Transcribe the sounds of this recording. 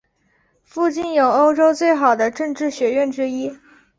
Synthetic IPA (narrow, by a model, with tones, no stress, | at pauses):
fu˥˧t͡ɕi˥˩njo˨˩ʊo˥ʊʈ͡ʂo˥ʊt͡swe˥˩ɪxɑ˨˩ʊd̪ə˦ʈ͡ʂɤ˥˧ŋʈ͡ʂɻ̩˥˩ɕɥɛ˧˥ɥɛ˥˩nʈ͡ʂɻ̩˥i˥